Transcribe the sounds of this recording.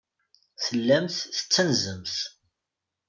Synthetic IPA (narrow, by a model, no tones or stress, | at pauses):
θəlːæmθθə̥t͡sːænzəmθ